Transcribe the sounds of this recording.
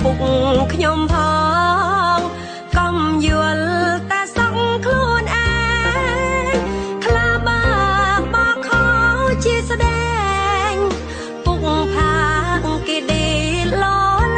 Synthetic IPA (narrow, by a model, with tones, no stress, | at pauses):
pu˧k̚ŋkʰɲo˧mpʰɔː | ŋ | kɔ˧mjɨ˧əlt̪a˧ɛsɑ˧k̚ŋkʰluənʔa | kʰlaː˧ɓəɓɑː˧kʰɔwt͡ɕi˧əsɗɛː˧ŋ | puk̚ŋpʰa˧kkeː˧ɗi˧lo˧